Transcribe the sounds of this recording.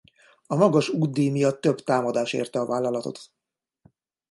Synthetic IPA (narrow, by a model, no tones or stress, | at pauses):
ɒmɒɡɒʃuːd̪̚d̪eːmijɒt̪ːø̞bt̪aːmɒd̪aːʃḛːrt̪ɛɒvaːlːɒlɒt̪o̞̰t̪